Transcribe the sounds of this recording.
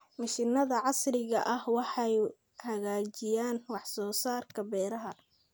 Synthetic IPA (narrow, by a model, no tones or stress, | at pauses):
mɐʃɪnɐðɐʕɑsrɪɣɐʔɐhwɑħɑj | hɐɣaːt͡ʃɪjaːnwɑħsɔːsaːrkʰɐbɛːɾɐɦɐ